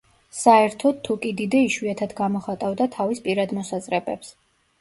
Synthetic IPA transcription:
saɛɾt̪ʰɔd̪̚t̪ʰːukʼid̪id̪ɛiʃwiat̪ʰad̪ɡamɔχat̪ʼavd̪at̪ʰavispʼiɾad̪mɔsazɾɛbɛps

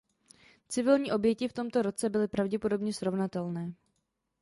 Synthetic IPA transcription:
t͡sɪvɪlɲiːʔo̞bjɛcɪft̪o̞mt̪o̞ɾo̞t͡sɛbɪlɪpɾavɟɛpo̞do̞bɲɛsɾo̞vnat̪ɛlnɛː

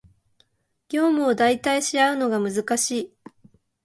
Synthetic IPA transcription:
ɡʲo̞ːmɯ̟od̪ait̪aiɕiaɯ̟no̞ɡamɯ̟zɨkaɕiː

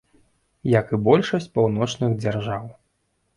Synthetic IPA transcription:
jɐkɨbɔlʲʂɐsʲt͡sʲpawnɔt͡ʂnɨɣd͡zʲarʐaw

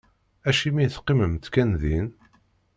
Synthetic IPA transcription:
æʃimiθqːiməmt̪kænðin

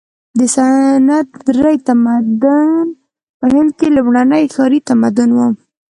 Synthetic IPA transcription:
d̪əsanat̪ːɾəjt̪amad̪ʊn | pəhɪnd̪̚kelʊmɳanəjxɑɾit̪amad̪ʊnwəm

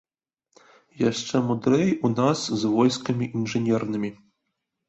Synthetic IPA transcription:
jaʂt͡ʂɛmud̪ɾɛjunaszvɔjskɐmʲiʔinʐɨnʲɛrnɨmʲi

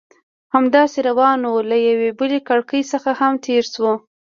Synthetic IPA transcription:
hamd̪ɑseɾawɑnolajawebəlekaɽkəjsəxahamt̪ʰeɾswo

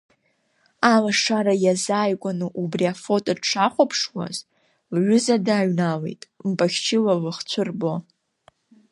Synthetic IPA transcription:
alaʂaɾajazaːjkʷʼanɨʔubriafo̞tʼaʈ͡ʂʰaχʷapʰʂwa̰z | lɥʷʊzadaːɥnale̞̰jtʼmpʼaxʲt͡ʃʰɪlalɨχt͡ɕʷʰɨrbo

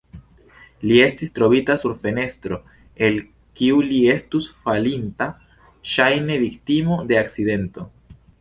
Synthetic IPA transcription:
lie̞stistɾo̞bitasuɾfe̞ne̞stɾo̞ | e̞l | kiulie̞stusfalinta | ʃajne̞viktimo̞de̞akt͡side̞nto̞

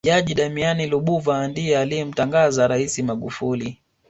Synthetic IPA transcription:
ʄaʄiɗamianiluɓuvandijɛalijɛm̩taŋɡazaɾaisimaɠufuli

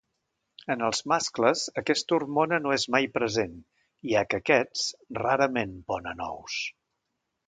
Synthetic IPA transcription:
ənəlˠzmaskləzəkɛst̪urmonənoezmajpɾəzen | iakəkɛt͡sraɾəmenpɔnənɔ̰ws

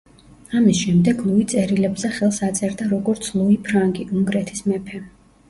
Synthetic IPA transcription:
amisʃɛmd̪ɛɡlˠuit̪sʼɛɾilɛbzɛχɛlˠsat̪sʼɛɾd̪aɾɔɡɔɾt̪sʰlˠuipʰɾaŋɡiʔuŋɡɾɛt̪ʰismɛpʰɛ

